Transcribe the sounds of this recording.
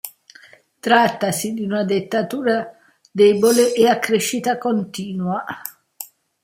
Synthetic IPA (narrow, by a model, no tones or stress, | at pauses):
t̪ɾat̪ːasid̪iunad̪et̪ːat̪uːɾa | d̪ɛboleʔeakːɾeʃːit̪akont̪iːnwa